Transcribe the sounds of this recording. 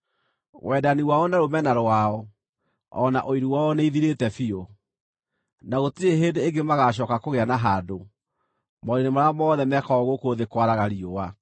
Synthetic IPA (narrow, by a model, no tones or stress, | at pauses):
wʔɛdaniwaɔnaɾomɛnaɾwaɔ | ɔna̰ʔoiɾuwaɔneiðiɾetɛfiɔ | naɣotieɦendeːŋɡemaɣaɕ̬ɔːkakoɣeanaɦado | mɔɾenemaɾamɔðɛmɛkɔɔɣokooðekwaɾaɣaɾiowa